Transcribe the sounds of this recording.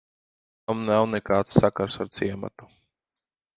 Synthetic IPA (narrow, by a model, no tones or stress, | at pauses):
amnawnekaːt̪ssːakaɾsaɾt̪siɛma̰t̪u̥